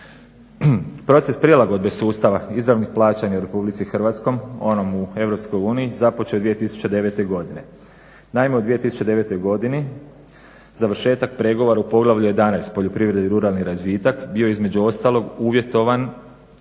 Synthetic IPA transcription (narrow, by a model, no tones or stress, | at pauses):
pɾo̞t̪se̞spɾielˠaɡo̞d̪be̞suːst̪aʋaizɾaʋnixplˠaːt͡ɕaɲauɾe̞publit̪sixr̩ʋat̪skojmo̞nomue̞ʋɾo̞pskojuːniizapot͡ʃeod̪ʋijet̪isu̥t͡ɕe̞d̪e̞ʋe̞t̪e̞jɡo̞d̪ine̞ | naimeud̪ʋije̞t̪isu̥t͡ʃed̪e̞ʋe̞t̪o̞jɡo̞d̪ini | zaʋrʃe̞ːt̪ak̚pɾe̞ɡo̞ʋo̞ɾaupo̞ɡlˠaʋʎuje̞d̪anajst̪po̞ʎopɾiʋɾe̞d̪iɾuɾalˠniɾazʋiːt̪akbioizme̞d͡ʑuo̞st̪alˠo̞ɡuːʋje̞t̪o̞ʋan